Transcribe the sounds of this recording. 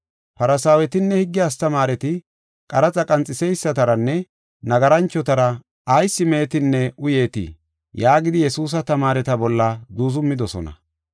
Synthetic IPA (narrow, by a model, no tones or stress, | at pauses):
pɐɾɐsaːwɛt̪ɪnːɛhɪɡːɪjast̪ɐmaːɾɛt̪ɪ | kʼɐɾɐt͡sʼɐkʼɐnt͡sʼɪsɛjsːɐt̪ɐɾɐnːɛ | nɐɡɐɾɐnt͡ʃːɔt̪ɐɾɐ | ɐjsːɪme̞ːt̪ɪnːɛʔʊje̞ːt̪ɪ̰ | jaːɡɪd̪ɪjɛsuːs̬ɐt̪ɐmaːɾɛt̪ɐbɔlːɐd̪uːzʊmːɪd̪ɔsɔ̰nɐ̰